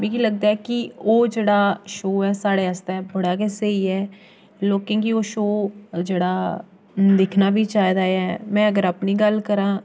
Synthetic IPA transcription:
mɛ̃ːkiːləɡ̚d̪aːɛːkɪoːd͡ʒeːɽaːʃoːɛːsaːɽeːəst̪ɛːbəɽaːkeːseiːɛː | loːkẽːkioːʃoːd͡ʒeːɽaː | d̪ɪkʰnaːbiːt͡ʃaːid̪aːɛːmɛ̃ːəɡəɾaːpniːɡəlkəɾãː

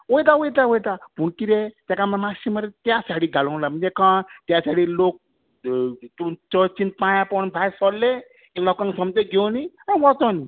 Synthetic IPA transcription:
ojd̪awojd̪awojd̪abʱukiɾet̪jakamamasiməɾet̪jasaɽiɡʱalɔ̃lam̤ənd͡zekãt̪jasaɽilok̚ | t̪ut͡ʃɔt͡ʃin̚pãjãpɔnb̪ʱajsɔlːe | kilɔkãŋsɔmd͡ʒeɡoni | aʋɔt͡sɔni

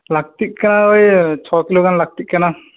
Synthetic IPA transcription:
laɡ̚t̪ik̚kanaojt͡ʃʰɔkilokanlaɡ̚t̪ikkana

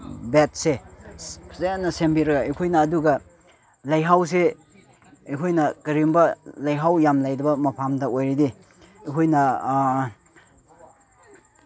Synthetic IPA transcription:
bet̚se | pʰɐzajanːɐsembiɾɐɡɐejkʰojnɐːduɡɐ | lajɦaws̬e | ejkʰojnɐkɐɾimbɐlajɦawjamlajdɐbɐmɐpʰamdɐojɾidi | ekʰojnɐ

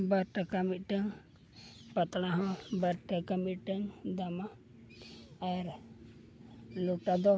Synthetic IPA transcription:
baɾʈakamit̪̚ˀʈəŋ | pat̪ɽ̃aɦɔ̃baɾʈakamit̪̚ˀʈəŋd̪ama | aɾ | luʈad̪ɔ

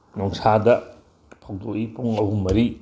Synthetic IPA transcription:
nɔŋsadɐ | pʰow̚dokipuŋɐwɦumːɐɾi

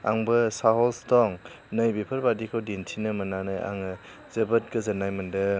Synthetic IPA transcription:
a̰ŋbɯsaɦɔlstɔŋ | nɯjbipʰəɾbadikʰawdintʰinɯmɐnanaja̰ŋ | z̥ebɐt̚ɡɯzɐnajmɐndɯ

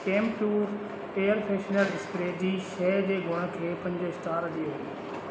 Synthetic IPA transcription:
kẽːmʈuːɾ | eːəɾpʰeːʃnəɾɖɪspɾeːd͡ʑiːʃɛːd͡ʑeːɡʱʊɽ̃kʰeːpɐ̃ɲd͡ʑəɪsʈaːɾɗ̪ioɦi

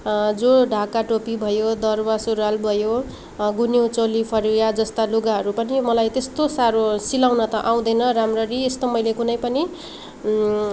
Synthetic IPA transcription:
d͡zoɖʱakaʈopibʱʌjod̪ʌrbasuɾalbʱʌjo | ɡunjewt͡solipʰʌɾijad͡zʌst̪aluɡaɦʌɾupʌnimʌlajt̪est̪osaɾosilaw̃nʌt̪ʌʔaw̃d̪ʌjnʌɾamrʌɾiest̪omʌjlekunʌjpʌni

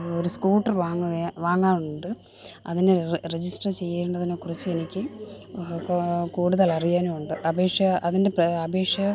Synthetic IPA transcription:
oɾuskuːʈːɐrʋaːŋːuʋaːŋːaːnuɳɖɨ | ɐ̰ðinered͡ʑisʈɐrt͡ɕe̞jːeɳɖɐðinoːkurɐt͡ɕːɨenikʲːɨ | kuːɽuðɐlɐrijaːnuuɳɖɨʔɐbʱe̞ːkʂjɐɐðinde̞pɐbʱe̞ːkʂjɐ

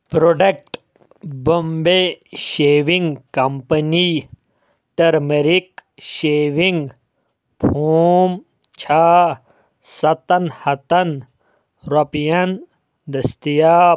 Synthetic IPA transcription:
pɾoɖek̚ʈ | bombeʃeːʋiŋɡkɐmpɐni | ʈɐɾmeɾikʃeːʋiŋɡ | pʰuːm | t͡ʃʰaː | sɐt̪ɐnhɐt̪ɐn | ɾɐpijɐn | d̪ɐst̪ijaː

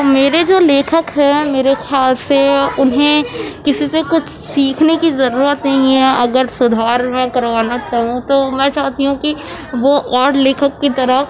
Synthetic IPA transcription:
meːɾed͡ʒoːleːkʰəkɦɛmeːɾexjaːlseʊnɦẽkɪsisekʊt͡ʃʰsiːkʰnekizɐɾuːɾət̪nɦĩɦɛ̃ʔɐɡəɾsʊd̪ʱaːɾmɛ̃kɐɾʋaːnat͡ʃaːɦũt̪omɛ̃ːt͡ʃaːɦt̪iɦũkiʋoʔɔːɾleːkʰəkːit̪ɐɾəɦ

